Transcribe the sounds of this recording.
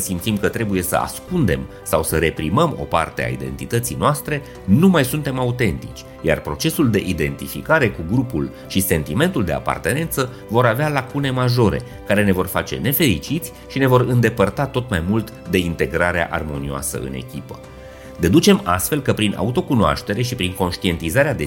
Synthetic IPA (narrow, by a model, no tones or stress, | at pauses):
əsimt̪simkət̪ɾe̞buje̞sə̰a̰skund̪e̞m | sawsəɾe̞pɾiməmo̞̰pa̰rt̪e̞a̰ḭd̪e̞nt̪it̪ət̪sijnoast̪ɾe̞ | numajsunt̪e̞maut̪e̞nt̪it͡ʃʲ | ja̰rpɾo̞t͡ʃe̞suld̪e̞ʔid̪e̞nt̪ifikaɾe̞kuɡɾupul | ʃise̞nt̪ime̞nt̪uld̪e̞a̰pa̰rt̪e̞ne̞nt̪sə | vo̞ɾavealakune̞maʒo̞ɾe̞̰ | kaɾe̞ne̞vo̞rfat͡ʃe̞̰ne̞fe̞ɾit͡ʃit̪sʲ | ʃine̞vo̞ɾɨnd̪e̞pərt̪at̪o̞t̪majmult̪ | d̪e̞int̪e̞ɡɾaɾea̰ʔa̰rmo̞nioa̰sə̰ɨ̰ne̞̰kʲipə | d̪e̞d̪ut͡ʃe̞mast̪fe̞lkəpɾinʔa̰ut̪o̞kunoa̰ʃt̪e̞ɾe̞ʃipɾiŋko̞nʃt̪ie̞nt̪izaɾead̪e